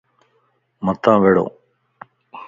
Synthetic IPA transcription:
mət̪ãːʋeːɽo̰ː

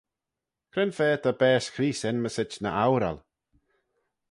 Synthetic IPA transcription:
kʰɾɪnfɛːt̪ʰabɛːskʰɾiːsɪnməsɪt͡ʃnə̰ʔawɾa̰l

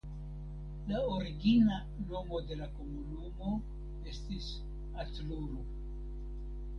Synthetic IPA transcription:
laoɾiɡina | no̞mo̞de̞lako̞munumo̞ | e̞stis | atluɾu

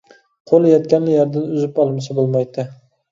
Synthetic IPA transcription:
qʰolˠjɒt̪̚kʲanlɪjɒɾd̪ɪnʊzɪpɒlˠmɪsabolˠmajd̪ɪ

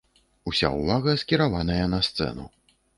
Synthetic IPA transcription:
usʲa̰uvaɣɐskʲiɾavanɐjɐnɐst̪sɛ̰nu

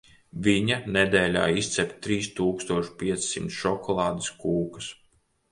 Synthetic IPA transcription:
vʲiɲaned̪eːlʲa̰ːist̪sʲɛpt̪t̪ːɾiːst̪uːkst̪uɔʃpʲiɛt̪ssimt̪sʃɔkʰɔlˠɑːd̪iskuːkɐs

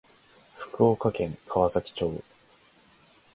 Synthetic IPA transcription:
ɸɯ̟̥kɯ̟okakẽ̞ŋkʰaβasakʲi̥t͡ɕo̞ː

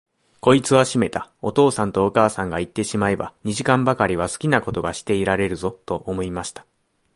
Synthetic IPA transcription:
ko̞it͡sɨβaɕime̞t̪ao̞t̪o̞ːsãnt̪o̞ːkaːsãŋɡait̪ːe̞ɕimae̞ba̰ɲ̟iʑikãmbakaɾʲiβ̞asɨ̥kʲinako̞t̪o̞ɡaɕi̥t̪e̞iɾaɾe̞ɾɯ̟zo̞t̪o̞ʔomo̞imaɕi̥t̪ḁ

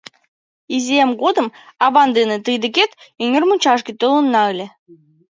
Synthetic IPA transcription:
izʲeemɡod̪əmɑβɑnd̪enĕt̪ɯjd̪ə̆ket̪yŋʲərmut͡ɕɑʒɡʲet̪ølə̆nːɑɯlʲĕ

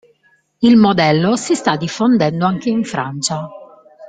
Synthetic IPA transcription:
ilmod̪ɛlːosist̪ad̪ːifːond̪ɛnd̪oaŋkeiɱfɾa̰nt͡ʃa

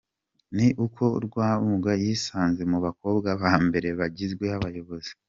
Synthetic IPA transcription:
niʔukʰo̞ɾɡwaːumuɡajiːsaːnze̞muβako̞ːbɡaβaːmbe̞ɾe̞βaɟizɡwe̞aβajo̞βo̞zi̥

